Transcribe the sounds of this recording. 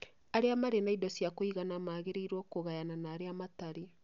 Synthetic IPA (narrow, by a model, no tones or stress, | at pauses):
aɾeamaɾenaidɔsjakoiɣanamaɣeɾeiɾwɔkoɣajananaːɾeamataɾi